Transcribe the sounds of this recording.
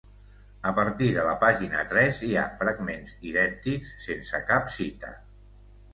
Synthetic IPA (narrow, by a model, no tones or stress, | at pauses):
əpəɾt̪iðələpaʒinə̰t̪ɾɛzia̰fɾəɡmenziðɛnt̪iksːensəkapsit̪ə̰